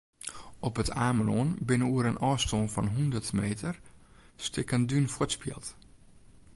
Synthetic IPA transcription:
ɔpətʰaːmənoənbɪnəuəɾənʔɔːstoːnfɔ̰nɦundərtmeːtʰərstʰɪkəndynfɔtspjḭəlˠt

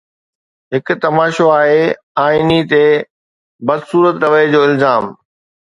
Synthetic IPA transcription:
ɦɪkʊ̆t̪ɐmaːʃoaːɦe | aːinit̪e | bɐd̪suːɾət̪ɾɐʋəed͡ʑoːɪlzaːm

